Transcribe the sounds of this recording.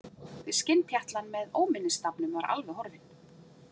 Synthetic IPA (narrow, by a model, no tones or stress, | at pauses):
vɪscɪnt̪çjaht̪lanmɛðoːwmɪnːɪst̪apnʏmvaɾʔa̰lvɛɦɔɾvɪn